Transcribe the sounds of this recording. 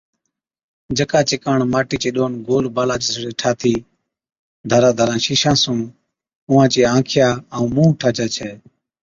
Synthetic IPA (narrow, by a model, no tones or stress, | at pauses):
d͡ʒəkaːt͡ʃɪkaːɳmaːʈiːt͡ʃeːɗoːnɡoːlbaːlaːt͡ʃesɽeːʈʰaːt̪ʰiː | d̪ʱəɾãːd̪ʱəɾãːʃiːʃãːsũː | ʊːãːt͡ʃeːãːkʰɪjaːəũːmũːʈʰaːt͡ʃaːt͡ʃʰeː